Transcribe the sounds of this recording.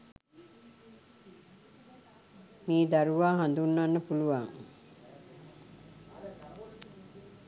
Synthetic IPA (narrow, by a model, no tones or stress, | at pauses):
miːd̪aɾuʋaːɦand̪unːanːəpuluʋaŋ